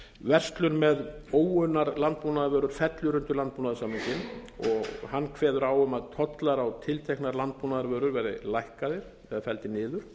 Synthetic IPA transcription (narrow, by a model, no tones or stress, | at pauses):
vɛr̥st̪lʏɾmɛð | oːwʏnːaɾlant̪̚punaðaɾvœːɾʏɾ̥fɛt̪lʏɾʏnt̪ʏɾlant̪̚puːnaðʏsamɪɲcɪnɔɣhanːkʰvɛːðʏɾawʏmaðt̪ʰɔt̪laɾawt̪ʰɪlt̪ʰejhknaɾlant̪̚punaðaɾvœːɾʏɾvɛːɾɪ̰lajhkaðɪɾ̥ | ɛðafɛlt̪ɪnɪːðʏɾ̥